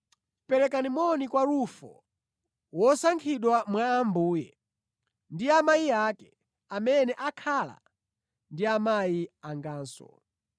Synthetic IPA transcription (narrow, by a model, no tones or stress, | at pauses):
pɛɾɛkanimɔnikwaɾufɔ̰ | wɔsaŋkʰiɗwamwaːmbuːjɛ | ndiamajiakɛ | amɛnɛʔakʰala̰ | ndiamajiaŋɡaːnsɔ̰